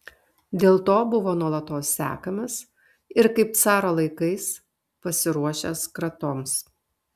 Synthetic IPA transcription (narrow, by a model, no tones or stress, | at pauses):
d̪ʲeːlˠt̪oːbʊʋoːnuɔlˠɐt̪oːsːʲæ̰ːkɐmɐs | ɪɾkɐɪp̚t̪sɑːɾoːlˠɐɪkɐɪs | pɐsʲɪɾuɔʃʲeskɾɐt̪oːms